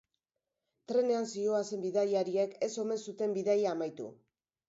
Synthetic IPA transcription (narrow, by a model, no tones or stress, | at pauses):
t̪ɾe̞ne̞ansio̞ase̞mbiðajaɾieke̞so̞me̞nsut̪e̞mbiðajaːmajt̪ṵ